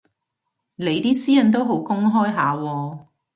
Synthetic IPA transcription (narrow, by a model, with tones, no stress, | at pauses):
le˨˧jt̪iː˥siː˥jɐ˨˥nt̪̬o˥wɦo˨˥wkʊ˥ŋɦɔː˥jɦaː˨˧wɔː˧